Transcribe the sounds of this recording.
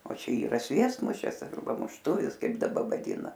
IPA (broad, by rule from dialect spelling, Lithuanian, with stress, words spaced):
oː ˈt͡ʃʲɛ iːˈrɐ ˈsʲʋʲiɛstmʊʃʲɪs ɐrˈbɐ mʊʃˈtʊʋʲɪs ˈkɐɪp dɐˈbɐ ʋɐˈdʲiːnɐ